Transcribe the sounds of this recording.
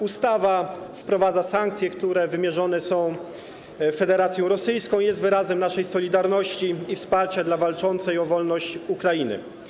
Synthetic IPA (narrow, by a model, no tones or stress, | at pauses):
ust̪avafpɾɔvad̪zasaŋk̚t̪sʲjɛkt̪uɾɛvɘmʲjɛʐɔnɛsɔ̃w̃ | fɛd̪ɛɾat̪sʲjɔ̃w̃ɾɔsɘjskɔ̃w̃jɛst̪vɘɾazɛmnaʂɛjsɔlʲid̪aɾnɔɕt͡ɕiifspaɾt͡ɕad̪lavalt͡ʂɔnt̪sɛjɔvɔlnɔɕt͡ɕukɾajinɘ̰